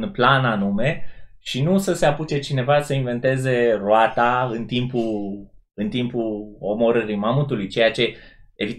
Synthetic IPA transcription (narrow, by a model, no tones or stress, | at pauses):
nplananume̞ʃinusəse̞aput͡ʃe̞t͡ʃine̞vasəinve̞nt̪e̞ze̞roat̪aɨnt̪impul | ɨnt̪impulo̞mo̞ɾəɾijmamut̪ulujt͡ʃe̞jat͡ʃe̞evi